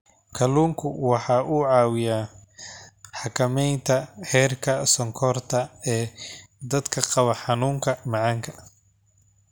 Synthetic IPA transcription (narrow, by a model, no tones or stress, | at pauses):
kʰɐluːŋkʰʊwɑħɑːʔuʕɑːwɪjaː | ħɑkʰɐmɛjnt̪ʰɐhɛːrkʰɐsɔŋkʰɔrt̪ʰɐɛː | d̪ɐd̪kʰɐqɑβɐħɑnuːŋkʰɐmɑʕɑŋkʰɐ